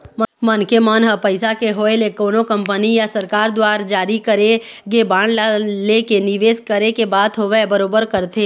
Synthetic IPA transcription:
mmɐnkemaːnɦəpəɪsakeɦoːelekoːnõkɐ̃mpənijasɐɾkaːɾd̪waːɾd͡ʒaːɾikəɾeɡebãːɳlalekenɪʋeːskəɾekebaːd̪ɦoʋebɐɾoːbəɾkəɾt̪ʰeː

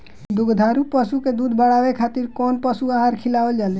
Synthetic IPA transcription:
d̪ʊɡd̪ʱaːɾupəsuked̪uːd̪ʱbəɽaʋekʰat̪iɾkɔːnpəsuaɦaɾkʰilaʋəld͡ʒaːle

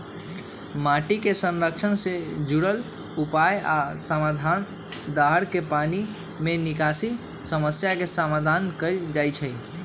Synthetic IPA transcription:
maʈikesə̃nɾəkt͡ʃʰənsed͡ʒuɽəl | upaja̰səmad̪ʱan | d̪aɦəɾkepani | menikasi | səməsjakesəmad̪ʱankəd͡ʒajt͡ʃʰə

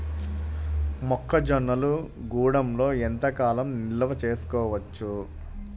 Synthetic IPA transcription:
mɔkʰːɐd͡ʒɔnːɐlu | ɡuːɽɐmlo̞ːent̪ɐkaːlɐmnilɐʋɐt͡ʃe̞ːsu̥kɔːʋɐt͡ʃːu

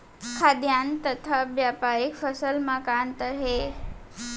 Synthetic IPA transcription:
kʰad̪jant̪ət̪ʰəbjapaɾikfəsəlmakant̪əɾɦe

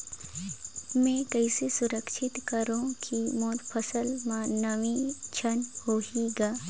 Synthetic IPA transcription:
mɛ̃ːkɐɪsesʊɾəkʃɪt̪kəɾõkʰimoːɾpʰəsəlmãːnɐʋit͡ʃʰɐnhoːiɡaː

